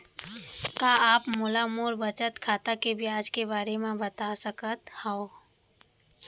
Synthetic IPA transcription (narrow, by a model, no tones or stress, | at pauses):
kaːaːpmʊlamoːɾbət͡ʃət̪kʰaːt̪akebʱiaːd͡ʒkebaːɾemẽbɐt̪asəkət̪hao